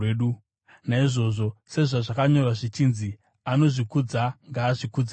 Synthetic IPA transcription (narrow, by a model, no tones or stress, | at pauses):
eɗu | naiʐo̞ʐo̞se̞ʐaʐakaɲo̞rwaʐit͡ʃiːnzi | ano̞ʐikud͡zaŋɡaːʐikud͡za